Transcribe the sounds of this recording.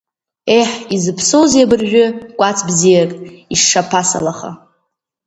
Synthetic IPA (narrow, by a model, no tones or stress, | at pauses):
ejħizɨpʰsowzabɨrʒᶣʏkʷʼat͡sʰbzijakʼiʂʂapʰasa̰laχa̰